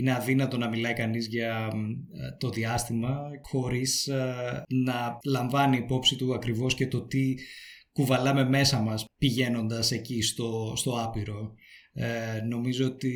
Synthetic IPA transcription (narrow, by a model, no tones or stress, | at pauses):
ineɐðinɐt̪o̞nɐmilɐikɐnizʝɐ | t̪o̞ðiɐst̪imɐxo̞ɾis | nɐlɐɱvɐniːpo̞psit̪uɐkɾivo̞sce̞t̪o̞t̪ikuvɐlɐme̞me̞sɐmɐspiʝe̞no̞nd̪ɐse̞cist̪o̞st̪o̞ɐpiɾo̞ | no̞mizoot̪i